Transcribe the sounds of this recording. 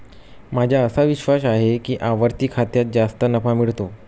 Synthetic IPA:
mad͡ʑʱjaəsaʋiɕʋas̬aɦekiːʔaʋəɾt̪iːkʰat̪jat̪̚d͡zast̪ənəfamiɭt̪o

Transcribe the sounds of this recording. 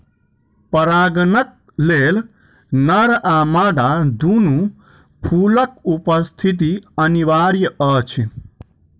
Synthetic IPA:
pɐɾaːɡənək̚ | leːl | nɐɾʔaːmaːɖad̪unu | pʰuːlək̚upəst̪ʰit̪̬iɐniʋaːɾjəət͡ʃʰi

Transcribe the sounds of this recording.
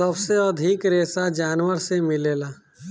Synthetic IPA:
ɐbseəd̪ʱikɾeːsad͡ʒaːnwəɾsemɪleːlaː

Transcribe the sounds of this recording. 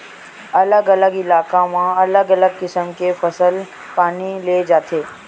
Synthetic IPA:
ɐləɡɐləɡɪlaːkãmãɐləɡɐləɡ̚kɪsəmkefʰɐsəl | paːnileːd͡ʒaːt̪ʰeː

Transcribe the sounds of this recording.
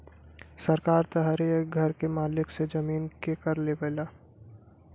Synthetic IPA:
sɐɾkaːɾt̪ɐɦaɾeeɡʱɐɾkemaːlɪksed͡ʒɐmiːnkekɐɾlebeːlaː

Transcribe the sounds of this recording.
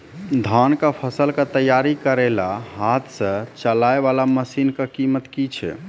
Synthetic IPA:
d̪ʱankəpʰəsəlkət̪əjaɾikəɾelaɦat̪ʰsə̃t͡ʃəlaeβalaməsinkəkimət̪kit͡ʃʰɛ̰

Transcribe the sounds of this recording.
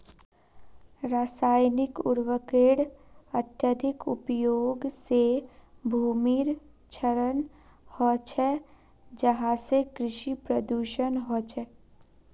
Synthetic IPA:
ɾaːsaːjnɪkʊ̰ɾwəkeːɽət̪jəd̪ʱɪkʊpjoːɡsebʱuːmiɾ | t͡ʃʰəɾən | hɔt͡ʃʰɛ | d͡ʒəɦãsekɾɪʃipɾəd̪uʃənɦɔt͡ʃʰɛ

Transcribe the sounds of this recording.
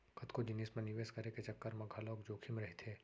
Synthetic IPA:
kʰɐt̪kod͡ʒɪniːsmẽnɪʋeːskɐɾeket͡ʃɐkːəɾmɐ̃ɡʱaloːkd͡ʒoːkʰimeɾɐɦit̪ʰeː

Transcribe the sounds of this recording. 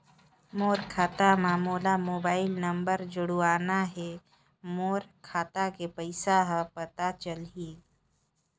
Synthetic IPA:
moːɾkʰaːt̪amãmoːlamoːbaːɪlnəmbəɾd͡ʒʊɽuaːnaɦɛ | moːɾkʰaːt̪akepəɪsaɦəpət̪at͡ʃəlɦi

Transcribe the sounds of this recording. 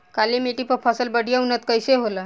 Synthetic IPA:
kalimeʈipəpfʰasəlbəɽʱijaunət̪kəjseɦola

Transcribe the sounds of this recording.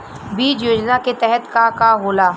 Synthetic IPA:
biːd͡ʒjoːd͡ʒnaket̪ɛɦət̪kakaɦoːlaː

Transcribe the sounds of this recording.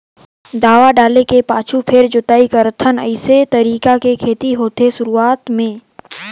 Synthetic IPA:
d̪aːʋaɖaːlekepaːt͡ʃʰupʰɪɾd͡ʒʊt̪aːikəɾt̪ʰənə̰ɪset̪ɐɾiːkakekʰeːt̪iɦoːt̪eʃʊɾuaːt̪mẽː

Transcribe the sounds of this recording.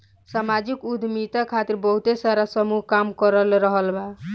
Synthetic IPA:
samad͡ʒikud̪ʱmit̪akʰat̪iɾbəɦut̪esaɾasəmuɦkamkəɾəlɾəɦəlba

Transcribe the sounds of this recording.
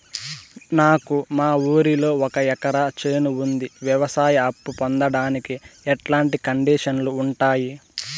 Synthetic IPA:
naːkumaːuːɾilo̞ːɔkɐɛkɐɾat͡ʃe̞ːnuund̪iʋjɐʋɐsaːjɐɐpːupond̪ɐɽaːnikiɛʈlaːɳʈikɐɳɖiːʂɐnluːɳʈaːji

